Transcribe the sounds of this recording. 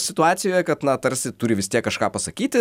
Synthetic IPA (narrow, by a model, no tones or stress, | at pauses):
sʲɪt̪ʊɑːt̪sʲɪjoːjɛkɐt̪nɐt̪ɐɾsʲɪt̪ʊɾʲɪʋʲɪst̪ʲiɛkːɐʃkɑːpɐsɐkʲiːt̪ʲɪ